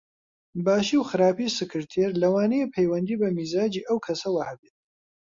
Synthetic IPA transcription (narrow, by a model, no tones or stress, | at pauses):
baːʃiːwxɨɾaːpiːsɨkʰɨɾt̪ʰeɾlɐwaːnejepʰejwɐnd̪iːbɐmiːzaːd͡ʒiːʔɐwkʰɐsɐwɐhɐbeːt̪̚